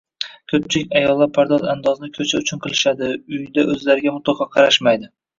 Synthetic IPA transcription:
kʲʰɵp̚t͡ʃʰɪlɪkʲajɒlˠːaɾpʰaɾd̪ɒzand̪ɒznɪkʰɵt͡ʃʰaʊt͡ʃʰʊnqʰɨlˠɪʃad̪ɪʊjd̪aʔɵzlaɾɪɡʲamʊt̪lˠɒqʰɑqʰɑɾaʃmajd̪ɪ

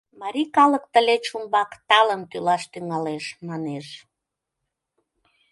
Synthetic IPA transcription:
mɑɾʲikɑləkt̪əlet͡ɕumbɑkt̪ɑlənt̪ylɑʃt̪yŋɑleʃmɑneʃ

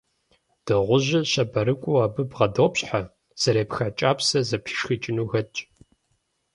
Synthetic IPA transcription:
d̥ɨʁʷʊʒʑɪɕɐbɐɾɨkʷʼʊaːbɨbʁɐdoːpɕʼħa | z̥ɐɾeːpxɐt͡ʃʼaːpsɐzɐpʰi̥ːʂxɨt͡ʃʼɪnuːɣɐt͡ʃʼ

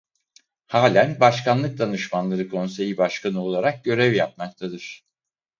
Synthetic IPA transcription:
haːlʲænbaʃkʰanlˠɯk̚d̪anɯʃmanlˠaɾɯkʰo̞nse̞jibaʃkʰanɯo̞lˠaɾak̚ɟø̞ɾɛvjap̚makt̪ʰad̪ɯɾ̥

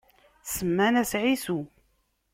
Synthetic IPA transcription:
θsəmːænæsʕisu

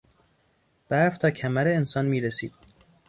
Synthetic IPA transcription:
b̥æɾft̪ʰɒːcʰæmæɾeːnsɒːnmiːɾesiːd̪̥̚

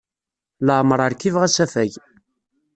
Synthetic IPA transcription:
ləʕmɾˤəɾkivʁæsæfæʝ

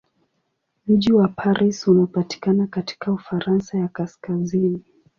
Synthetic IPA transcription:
m̩ʄiwapʰaɾʔisunaɔpati̥kanakati̥kaufaɾansajakaskazini

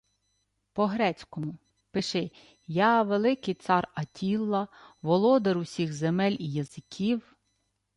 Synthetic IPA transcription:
pɔɦɾɛt͡sʲkɔmʊ | pɪʃɪ | jɑʋelˠɪkɪjt̪sɑrɐtʲʰilˠːɐʋɔlˠɔd̪eɾʊsʲiɣzemɛlʲijɐzɪkʲʰiw

